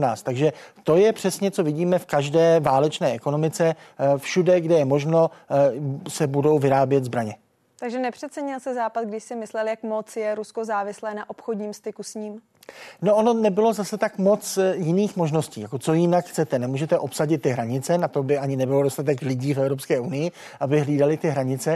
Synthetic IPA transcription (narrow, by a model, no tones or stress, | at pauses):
naːst̪aɡʒɛt̪o̞jɛpr̝̥ɛsɲɛt͡so̞vɪɟiːmɛfkaʒdɛːvaːlɛt͡ʃnɛːʔɛko̞no̞mɪt͡sɛfʃudɛɡdɛjɛmo̞ʒno̞ | sɛbudo̞wvɪɾaːbjɛt̪zbɾaɲɛ | t̪aɡʒɛnɛpr̝̥ɛt̪t͡sɛɲɪlsɛzaːpat̪̚ɡdɪʃsɪmɪslɛljakmot͡sjɛɾuskozaːvɪslɛːnaʔopxodɲiːmst̪ɪkusɲiːm | no̞ono̞nɛbɪlo̞zasɛt̪akmo̞t͡sjɪniːxmo̞ʒno̞scḭːjakot͡so̞jɪnakxt͡sɛt̪ɛnɛmuːʒɛt̪ɛʔo̞psaɟɪt̪ːɪɦɾaɲɪt͡sɛnat̪o̞bɪʔaɲɪnɛbɪlodo̞st̪at̪ɛklɪɟiːfɛvɾo̞pskɛːʔunɪjɪ | ʔabɪɦliːdalɪt̪ɪɦɾaɲɪt͡sɛ